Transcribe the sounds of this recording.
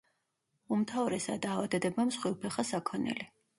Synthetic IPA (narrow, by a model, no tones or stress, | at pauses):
umt̪ʰavɾɛsa̰d̪aːvad̪ɛd̪ɛbamsχwilpʰɛχasakʰɔnɛ̰li